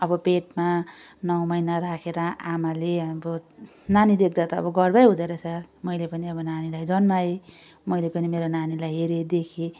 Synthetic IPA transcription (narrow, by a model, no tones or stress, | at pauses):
ʌbʌpeʈma | nʌwmʌjnaɾakʰeɾʌʔamaleʌbʌ | nanid̪ek̚ʰd̪at̪ʌʌ̰bʌɡʌrbajɦud̪eɾʌt͡sʰʌmʌjlepʌniʌbʌnanilajd͡zʌnmae | mʌjlepʌnimeɾonanilajɦeɾed̪ekʰe